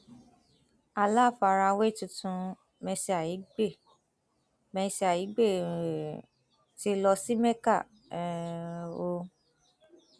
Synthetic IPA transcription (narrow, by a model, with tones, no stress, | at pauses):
a˧la˦˨fa˧ɾa˧we˦˨tũ˧tũ˧ | mɛ̃˧se˧a˨ji˨˦ɡ͡be˦˨ | mɛ̃˧si˧a˨ji˨˦ɡ͡be˦˨ | ti˧˦lɔ˧si˦mɛ˦ka˦˨ | ɛ˨ | o˧